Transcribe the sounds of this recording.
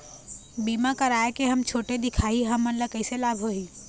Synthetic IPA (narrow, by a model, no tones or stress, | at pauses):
bimakəɾaekeɦəmt͡ʃʰoʈed̪ɪkʰaiɦəmːənləkəɪselabʱɦoi